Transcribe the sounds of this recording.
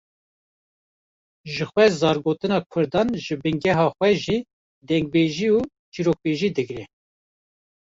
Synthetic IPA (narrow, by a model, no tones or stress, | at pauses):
ʒɨxwɛzɑːɾɡoːt̪ɨnɑːkʰʊɾd̪ɑːnʒɨbɨŋɡɛɦɑːxwɛʒiː | d̪ɛŋɡ̚beːʒiːu | t͡ʃiːɾoːk̚beːʒiːd̪ɨɡɾɛ